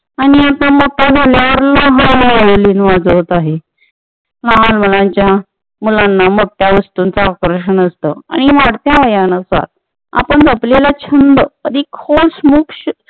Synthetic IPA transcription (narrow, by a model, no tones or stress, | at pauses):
aɽ̃iat̪əmoʈad͡zʱaljaʋəɾləɦãalinʋad͡zot̪aɦe | laalməlãɲt͡ɕja | mulanːamoʈːjaʋəst̪unt͡saːkɾəɕəɳəst̪əa̰ɽ̃iʋaɽt̪jaʋəjanəsa̰t̪̚ | a̰pəɳd͡zəplelat͡ɕʰənd̪əəd̪ikʰolsmukɕ